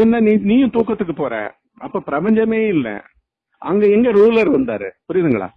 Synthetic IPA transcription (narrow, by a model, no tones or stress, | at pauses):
ɪnːɐniniːjʊ̃t̪uːkːɐt̪ːɯkːɯpoːɾɛ̰̃ː | ʔɐpːoːpɪɾɐbɐɲd͡ʒɐmeːɪlːɛ̰ | ʔɐŋɡɐɛŋɡɐɾuːlɐɾʋɐnd̪aːɾɯpʊɾɪjðɯŋɡɐɭa̰ː